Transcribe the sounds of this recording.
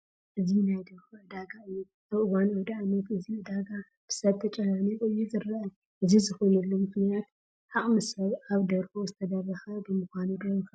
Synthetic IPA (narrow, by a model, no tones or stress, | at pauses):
ʔɨzinajd̪ɐɾxʔɨd̪aɡaɨjːu | ʔaβɨwanɐd̪aanɐt̪ɨziɨd̪aɡa | b̥ɨ̥sɐβt̪ʰɐt͡ʃʼɐnanikʼojːuzɨɾaʔa | ʔɨzizɨxojnɐlːomɨxnijat̪ | ħaχʼmɨsɐβaβd̪ɐɾfozɨt̪ʰɐd̪ɐβɐxɐbɨmɨxʷanud̪ɐɾɐxɐ